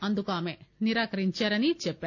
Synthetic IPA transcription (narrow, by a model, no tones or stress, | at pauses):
ɐnd̪ukaːmeniɾaːkɐɾiɲt͡ʃaːɾɐnit͡ʃɛpːa